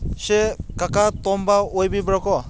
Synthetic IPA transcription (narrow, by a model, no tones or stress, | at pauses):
sekakatɔmbaojbibɾɔkɔ